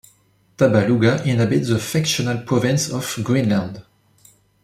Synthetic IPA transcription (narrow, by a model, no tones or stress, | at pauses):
t̪abaluɡaʔɪ̃nɦabɪtðəfɛkʃɔnalpʰɹ̥ɔvɪ̃nsɔvɡɹĩnlãnd